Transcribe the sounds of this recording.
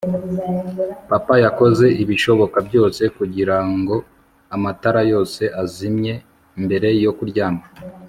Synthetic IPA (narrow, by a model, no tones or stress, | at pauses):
papajako̞ze̞ʔiβiʃo̞βo̞kabjo̞ːse̞kuɟiɾaŋɡo̞ | amataɾajo̞ːse̞ʔazimɲe̞ | mbe̞ɾe̞jo̞kuɾɟaːma